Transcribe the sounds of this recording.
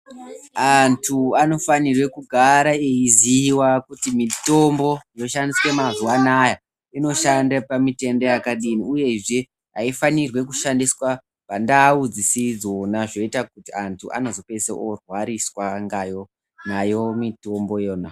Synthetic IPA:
antʰuano̞fanirwe̞kuɡʱaɾaeiziwakutimito̞mbo̞jo̞ʃandiswe̞mazuwanaja | ino̞ʃandapamite̞ndo̞jakaɗiniuje̞ʐe̞ | aifanirwe̞kuʃandiswa | pandaːud͡zisid͡zonaʐo̞itakutiantʰuʔa̰no̞zo̞pe̞sḛʔorwaɾiswaŋɡajo̞ | najo̞mito̞mbo̞jo̞ːna

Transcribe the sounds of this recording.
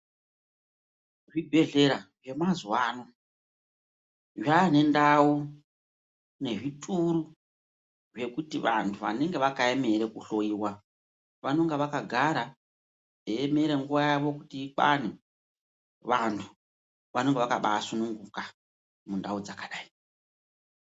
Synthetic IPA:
ʐibʱe̞ɮe̞ɾaʐe̞mazuwaːno | ʐane̞ndau | ne̞ʐitʼuɾu | ʐe̞kutiʋa̰ntʰuʋa̰ne̞ŋɡe̞ʋakae̞me̞ɾe̞kuɬo̞iːwa | ʋano̞ŋɡeʋakaɡʱaɾa | eeme̞ɾe̞ŋɡuʋajaʋo̞kutiːɓa̰n̤e | ʋantʰu̥ | ʋano̞ŋɡeʋakaɓasunuŋɡuka | mundaud͡zakaɗaːi̥

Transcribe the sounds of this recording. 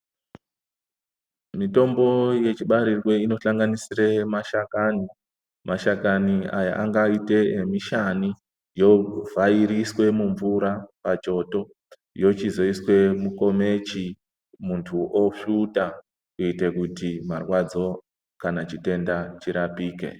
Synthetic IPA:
mito̞mbo̞je̞t͡ʃiɓaɾirwe̞ino̞ɬaŋɡanisiremaʃakani | maʃakania̰ja̰ʔaŋɡaite̞miʃani | jo̞vaiɾiswe̞muɱvuɾapat͡ʃo̞to̞ | jo̞t͡ʃizo̞iswe̞muko̞me̞t͡ʃi | muntʰuʔofuta | kuite̞kutimarwad͡zo̞ | kanat͡ʃite̞ndat͡ʃiɾapiːkḛ

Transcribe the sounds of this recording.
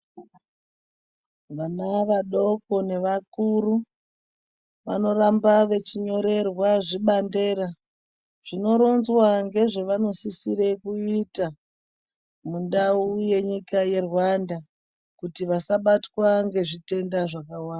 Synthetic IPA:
ʋanaʋaɗo̞ko̞ne̞ʋakuɾu | ʋano̞rambaʋe̞t͡ʃiɲo̞ɾe̞rwaʐiɓande̞ːɾa | ʐ̥ino̞ɾo̞nzwaŋɡe̞ʐe̞ʋano̞sisiɾe̞kuita | mundauje̞ɲikaje̞rwanda | kutiʋasaɓatwaŋɡe̞ʐite̞ndaʐakawaːnda

